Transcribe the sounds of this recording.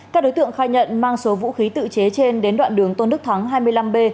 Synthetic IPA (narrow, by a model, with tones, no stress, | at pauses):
aː˦˥k̚ɗo˨˦jt̪ɨ˧˨əŋxaː˧jɲə̰˧˨nmaː˧ŋso˨˦vṵ˧˥xi˨˦t̪ɨ̰˧˨t͡ɕe˨˦t͡ɕe˧nɗe˨˦nɗwa̰ː˧˨nɗɨ˨˩əŋt̪o˧nɨ˦˥k̚t̪ʰaː˨˦ŋɦaː˧jmɨ˧əjla˧mɓe˧